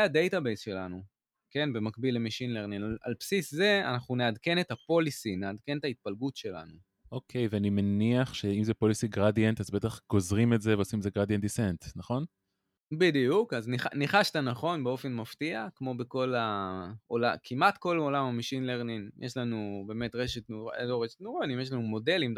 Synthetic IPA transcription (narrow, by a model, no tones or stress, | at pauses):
eadejtabejzʃe̞lanu | ke̞nbe̞makbilːemiʃinleʁninala̰lpsisze̞a̰naχuneadke̞ne̞tapo̞lisineadke̞net̪ait̪̚palɡutʃe̞la̰nu | ʔo̞kʰe̞jveanimeniaχʃeimzepo̞lisiɡʁadjentazbeet̪aχɡ̥o̞zʁimetzeveosimzeɡʁadjent̚disentnaχo̞n | bidijukazniχaniχaʃt̪anaχo̞nbeo̞fe̞nmaftiakmo̞beko̞laolakʰimatko̞lolamamiʃinleʁninjʔeʃlanube̞ːme̞tʁeʃitnuʁa̰loʁeʃe̥tnuʁonimjeʃ̬lanumo̞de̞lim